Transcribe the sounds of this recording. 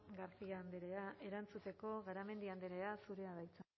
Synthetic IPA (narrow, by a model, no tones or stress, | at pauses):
ɡaɾsiand̪eɾe̞ae̞ɾant͡sut̪e̞ko̞ɣaɾame̞nd̪iand̪eɾe̞asuɾe̞aɣajt͡s